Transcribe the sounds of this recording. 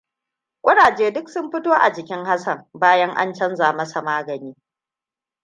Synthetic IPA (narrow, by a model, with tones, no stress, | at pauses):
kʷʼʊ˦ɽaː˨d͡ʒeː˦dʊ˦k̚sʊ˦mɸɪ˦toː˦ʔa̰˨d͡ʒɪ˨kʲɪ˦ŋha˦sɐ˦˨mbaː˦jɐ˦ŋʔa̰˦nt͡ʃɐ˦nzaː˨mɐ˦sa˨maː˦ɡɐ˨niː˦